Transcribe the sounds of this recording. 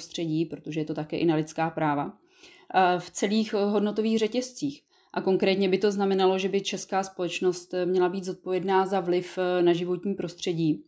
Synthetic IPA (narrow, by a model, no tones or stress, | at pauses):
st̪r̝̥ɛɟiːpɾot̪o̞ʒɛjɛt̪o̞t̪akɛːʔɪnalɪt̪t͡skaːpɾaːva | ft͡sɛliːxɦo̞dno̞t̪o̞viːɣrɛcɛst͡siːx | ʔako̞ŋkɾɛːt̪ɲɛbɪt̪o̞znamɛnalo̞ʒɛbɪt͡ʃɛskaːspo̞lɛt͡ʃno̞st̪mɲɛlabiːd̪zo̞t̪̚po̞vjɛdnaːzavlɪfnaʒɪvo̞t̪ɲiːpɾo̞st̪r̝̥ɛɟiː